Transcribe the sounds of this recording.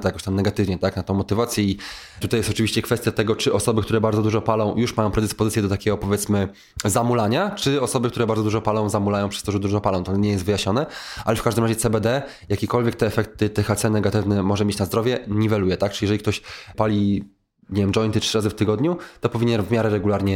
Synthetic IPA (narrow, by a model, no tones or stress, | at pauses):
t̪jakɔɕt̪amnɛɡat̪ɘvɲɛt̪aknat̪ɔ̃w̃mːɔt̪ɘvat̪sʲjɛi | t̪ut̪ajɛst̪ɔt͡ʂɨvʲiɕt͡ɕɛkfɛst̪ʲjat̪ɛɡɔt͡ʂɘʔɔsɔbɘkt̪uɾɛbaɾd̪zɔd̪uʐɔpalɔ̃w̃juʂmajɔ̃w̃pɾɛd̪ɘspɔzɘtsjɛd̪ɔt̪akʲɛɡɔpɔvʲjɛt̪smɘ | zamulaɲat͡ʂɘɔsɔbɘkt̪uɾɛbaɾd̪zd̪uʐɔpalɔ̃w̃zamulajɔ̃wpʂɛ̥st̪ɔʐɛd̪uʐɔpalɔ̃w̃t̪ɔɲɛjɛst̪vɘjaɕɲɔnɛʔalɛfkaʒʐd̪ɘmɾaʑɛt̪sɛbɛd̪ɛ | jakʲekɔlvʲjɛk̚t̪ɛːfɛk̚t̪ɘt̪ɛxat̪sɛnɛɡat̪ɘvnɛmɔʐɛmʲjet͡ɕnazd̪ɾɔvʲjɛɲivɛlujɛt̪ak̚tt͡ʂɨlʲijɛʐɛlʲikt̪ɔɕpalʲi | ɲevʲjɛmɖ͡ʐɔjnt̪ɘtʂɘɾazɘft̪ɘɡɔd̪ɲut̪ɔpɔvʲiɲɛnvmʲjaɾɛɾɛɡulaɾɲɛ